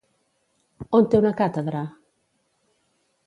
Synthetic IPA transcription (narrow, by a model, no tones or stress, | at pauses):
ont̪eunakat̪eðɾa